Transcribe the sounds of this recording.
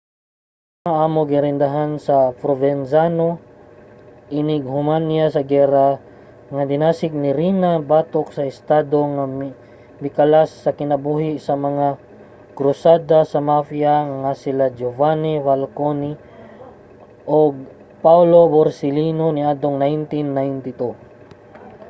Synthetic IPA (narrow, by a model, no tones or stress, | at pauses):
ŋaʔaːmoɡɪɾɪnd̪ɐɦansɐpɾovɛnsano | ʔinɪɡ̚hʊmanɪjasɐɡɛɾa | ŋɐd̪ɪnaːsɪk̚nɪɾinabaːt̪ok̚sɐɪst̪aːd̪oŋam | mɪkalasːɐkɪnɐbuːɦɪsɐmɐŋa | kɾʊsaːd̪asɐmafiaŋasɪlad͡ʒovanivalkoni | ʔoɡ̚ | pawloboɾsɪlinonɪʔad̪oŋnajnt̪inːajnt̪ɪt̪u